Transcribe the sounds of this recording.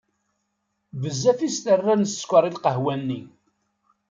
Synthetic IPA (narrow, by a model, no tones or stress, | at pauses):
vəzːæfist̪ərːænəsːkʷəɾˤilqəɦwænːi